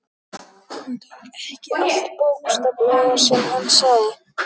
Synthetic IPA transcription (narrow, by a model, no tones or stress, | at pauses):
ɛhcɪɪt̪powkst̪aplɛɣasɛmhanːsawðɪ